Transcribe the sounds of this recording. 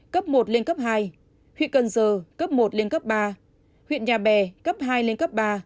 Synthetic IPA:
kə˦˥p̚mo˨˩t̚le˧nkə˦˥p̚ɦaː˧j | hwḭ˧˨kə˨˩nzəː˨˩kə˦˥p̚mo˨˩t̚le˧nkə˦˥p̚ɓaː˧ | hwḭ˧˨ənɲaː˨˩ɓɛ˨˩kə˦˥p̚ɦaː˧jle˧nkə˦˥p̚ɓaː˧

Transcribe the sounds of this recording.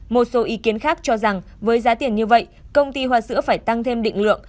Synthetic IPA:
mo˨˩t̚so˨˦ʔi˨˦ki˨˦ənxaː˦˥k̚t͡ɕɔ˧za˨˩ŋ | vəː˨˦jzaː˨˦t̪i˧˩ənɲɨ˧və̰˧˨jkə˧wŋ͡mt̪i˧ɦwaː˧˩sɨ̰˧˥əfaː˧˩jt̪a˧ŋt̪ʰe˧mɗḭ˧˨ŋ̟lɨ̰˧˨əŋ

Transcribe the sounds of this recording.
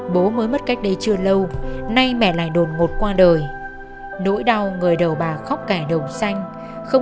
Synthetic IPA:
ɓo˨˦məː˨˦jmə˦˥t̚ka˦˥jk̟̚ɗə˨˦jt͡ɕɨ˧ələ˧wna˧jmɛ̰˧˨la̰ː˧˨jɗo˨˩n̚ŋo˨˩t̚kwaː˧ɗəː˨˩j | no̰˧˥jɗa˧wŋɨ˨˩əjɗə˨˩wɓaː˨˩xɔ˦˥k͡p̚kaː˧˩ɗə˨˩wsa˧jŋ̟ | xə˧wŋ͡m

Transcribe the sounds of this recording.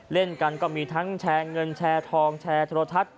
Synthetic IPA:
le˥˩nka˧nkɔː˥˩miː˧t̪ʰa˦˥ŋt͡ɕʰɛː˧ŋɤ˧nt͡ɕʰɛː˧t̪ʰɔː˧ŋt͡ɕʰɛː˧t̪ʰɾo˧t̪ʰːa˦˥t̪̚

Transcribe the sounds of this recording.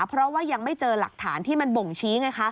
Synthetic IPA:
pʰɾɔ˦˥waː˥˩ja˧ŋma˥˩jt͡ɕɤː˧la̰˨˩k̚t̪ʰa̰ː˩˦nt̪ʰiː˥˩ma˧nbo˨˩ŋt͡ɕʰiː˦˥ŋa˦˥jkʰa˦˥

